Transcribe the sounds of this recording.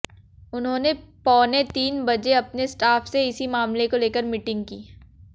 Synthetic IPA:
ʊnɦõːnepɔːnet̪iːnbɐd͡ʒeɐpnesʈaːfseɪsimaːmlekoleːkəɾmɪʈɪ̃ŋɡ̚kiː

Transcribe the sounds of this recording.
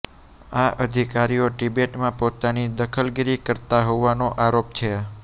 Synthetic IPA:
aʔəd̪ʱikaɾioʈibeʈmãpot̪anid̪əkʰəlɡiɾikəɾt̪aɦoʋanoʔaɾopt͡ʃʰe

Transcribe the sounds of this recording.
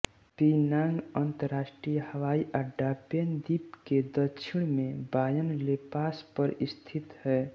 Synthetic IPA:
pinãːŋɡənt̪əɾaːʃʈɾijəhəʋaːiʔaɖabend̪iːpked̪əkʃʰɪɽ̃mẽbaːjənleːpaːspəɾɪst̪ʰɪt̪hɛː

